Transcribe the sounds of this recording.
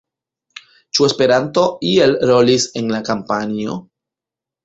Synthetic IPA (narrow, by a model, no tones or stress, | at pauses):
t͡ʃue̞spe̞ɾanto̞ie̞lɾo̞lise̞nlakampanio̞